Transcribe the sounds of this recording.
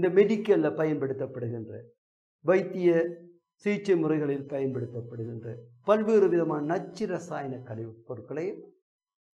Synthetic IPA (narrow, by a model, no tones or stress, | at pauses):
ɪnd̪ɐmɛɽɪkːɐlɐpɐjɐnpɐɽɯt̪ːɐpːɐɽɯɣɪndrɐ̰ | ʋɐɪt̪ːɪjɐ | siːt͡ʃːɐɪmʊrɐɪɣɐɭɪlpɐjɐnpɐɽɯt̪ːɐpːɐɽɯɣɪndrɐpɐlʋeːɾɯʋɪðɐmaːnɐnɐt͡ʃːɪɾɐsaːjɐnɐkːɐlɪʋɯpːɔrɯkːɐɭɐjɯm